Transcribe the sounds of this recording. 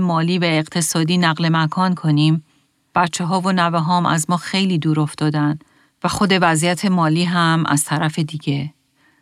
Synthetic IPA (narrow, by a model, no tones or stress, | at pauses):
emɒːliːvæeɢt̪ʰe̞sɒːd̪iːnæɣle̞mækʰɒːnkʰo̞niːm | b̥æt̪t͡ʃʰːeɦɒːvo̞næveɦɒːmʔæ̰zmɒːxe̞jliːd̪uːɾo̞ft̪ɒːd̪æn | væxo̞d̪e̞væzijæt̪ʰe̞mɒːliːɦæmʔæ̰z̥t̪ʰæɾæfe̞d̪iɟe̞